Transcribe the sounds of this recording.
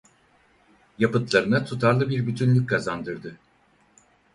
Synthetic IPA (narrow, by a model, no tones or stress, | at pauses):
japɯt̪lˠaɾɯnat̪ʰut̪ʰaɾlˠɯbiɾbyt̪ʰynlʲyc̚ʲkʰazand̪ɯɾd̪ɯ